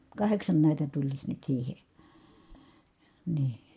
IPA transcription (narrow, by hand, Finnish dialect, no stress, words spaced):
kɑheksɑn næˑitæ tulisʲ nyt siːhe niː